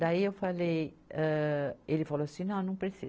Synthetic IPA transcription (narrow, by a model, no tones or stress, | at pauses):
d̪aiewfalejɛelɪfaloɐsĩnɐ̃w̃nɐ̃w̃pɾesi